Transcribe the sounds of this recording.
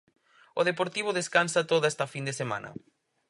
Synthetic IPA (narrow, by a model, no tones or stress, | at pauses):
oðepoɾt̪iβ̞oðeskansɐt̪oðest̪ɐfind̪esemã̰nɐ̰